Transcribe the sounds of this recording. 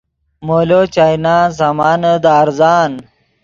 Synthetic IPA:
moːlot͡ɕajnaːs̬amaːnəd̪aːɾzaːn

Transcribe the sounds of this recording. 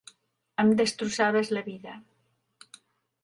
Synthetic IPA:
əmd̪əst̪ɾusaβəzləβiðə

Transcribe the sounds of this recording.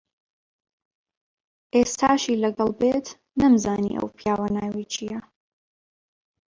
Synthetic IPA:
ʔeːst̪ʰaːʃiːlɐɡɐlˠbeːt̪ | nɐmzaːnḭʔɐ̰wpʰijaːwanaːwejt͡ʃʰijɐ

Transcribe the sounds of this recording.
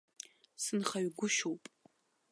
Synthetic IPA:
sɨnχaɥɡʷʊʃowpʼ

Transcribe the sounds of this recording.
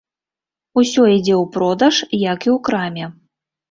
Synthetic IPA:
usʲɔid͡zʲɛwpɾɔd̪ɐʂjɐkiwkɾamʲɛ

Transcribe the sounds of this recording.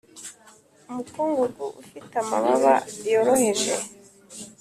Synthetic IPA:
umukuːŋɡuɡuʔufitamaβaβajoɾohe̞ʒḛ

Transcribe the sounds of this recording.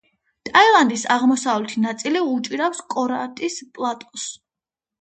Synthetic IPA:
t̪ʼailˠand̪isaʁmɔsavlɛt̪ʰinat̪sʼiliut͡ʃʼiɾafskʼɔɾa̰t̪ʼispʼlˠat̪ʼɔs

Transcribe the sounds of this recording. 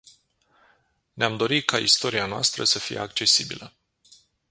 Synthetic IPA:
neamd̪o̞ɾikaist̪o̞ɾianoa̰st̪ɾəsəfijḛakt͡ʃe̞sibilə

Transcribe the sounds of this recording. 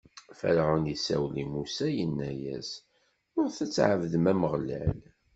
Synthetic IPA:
fə̰ɾʕʊnisæ̰wlimusæjənːæjæ̰s | ʊɾθæt͡sːʕəvðmæməʁlæ̰l

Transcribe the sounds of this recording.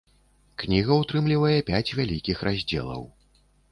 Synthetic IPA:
knʲiɣɐut̪ɾɨmlʲivɐjɛpʲat͡sʲvʲalʲikʲixɾazʲd͡zʲɛ̰lˠɐ̰w

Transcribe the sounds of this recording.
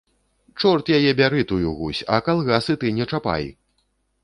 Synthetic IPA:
t͡ʂɔrt̪jajɛbʲaɾɨt̪ujuɣusʲɐ̰kalˠɣasɨt̪ɨnʲɛt͡ʂapa̰j

